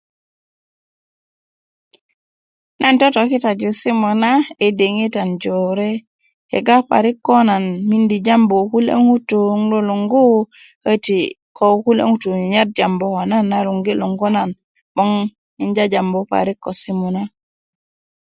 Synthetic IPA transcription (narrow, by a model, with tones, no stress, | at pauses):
nʔa˦nto˦to˨ki˦ta˨d͡ʒu˨si˦mo˨na˦e˨de˨ŋi˦ta˨nd͡ʒo˨ɾe˦ | hḛ˨ɡa˦pa̰˨ɾi˦kːo˦na˨nmi˦ndi˨d͡ʒa˦mbo˨ku˦lḛ˦ŋu˦tu˨˦ŋlo˦lo˨ŋɡo˦ | hə˦ti | ko˦ku˦lḛ˦ŋu˦tu˨i˨ɲa˦t̚d͡ʒa˨mbo˦ko˨na˦nːaɾu˨ŋɡi˦lo˨ŋɡo˦na˨n | bo˦ŋ | mi˦ɲd͡ʒa˦d͡ʒa˨mbo˨pa̰˨ɾi˦kːo˨si˦mo˨na˦